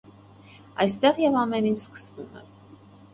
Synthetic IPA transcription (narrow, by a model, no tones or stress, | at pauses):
ɑ̰jst̪ɛʁjɛvɑmɛnint͡ʃʰskə̥svumɛ̰